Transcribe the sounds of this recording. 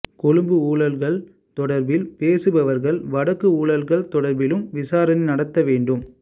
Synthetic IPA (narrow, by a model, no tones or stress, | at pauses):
kɔɻɯmbɯuːɭɐlɣɐɭ | t̪ɔɽɐɾbɪlpeːsɯbɐʋɐɾɣɐɭʋɐɽɐkːɯuːɭɐlɣɐɭt̪ɔɽɐɾbɪlɯmʋɪsaːɾɐnɐnɐɽɐt̪ːɐʋeːɳɖɯm